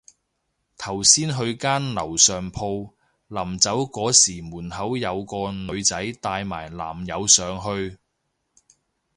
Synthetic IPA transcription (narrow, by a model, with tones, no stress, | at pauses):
t̪ʰɐ˨˩wsiː˥nɦɵ˧ɥkaː˥nlɐ˨˩wsœː˨˩ŋpʰo˧w | lɐ˨˩mt͡sɐ˨˥wkɔː˨˥siː˨˩muː˨˩nhɐ˨˥wjɐ˨˧wkɔː˧nɵ˨˧ɥt͡sɐ˨˥jt̪aː˧jma̰ː˨˩jla̰ː˨˩mjɐ˨˧wsœː˨˧ŋɦɵ˧ɥ